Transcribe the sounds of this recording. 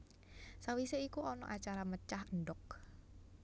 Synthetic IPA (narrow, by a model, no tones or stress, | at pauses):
sawiseikuʔɔnɔ̰ʔat͡ʃaɾamət͡ʃaɦənɖɔk̚